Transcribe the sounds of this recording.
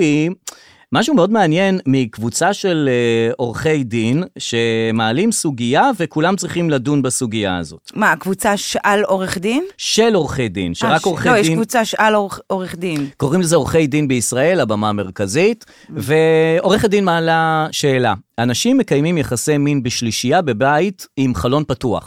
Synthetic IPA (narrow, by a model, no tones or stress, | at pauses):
i | maʃumeo̞dmeanje̞nmikvut͡saʃe̞lo̞ʁχe̞jdinʃe̞maːlimsuɡijave̞kulamt͡sʁiχimladunbasuɡijaa̰zo̞̰tmakvut͡saʃʔaloʁeχd̪inʃe̞lo̞ʁχejdḭnʃeʁakoʁχejeʃivut͡saʃalooʁeχd̪inko̞ʁimlezeo̞χe̞jdinbeisʁae̞labamame̞ʁkazit | ve̞o̞ʁeχdinmaːlaʃe̞ːlaanaʃimːe̞kajmimjaχase̞jminbeʃliʃijabe̞baitimχalo̞npatua̰χ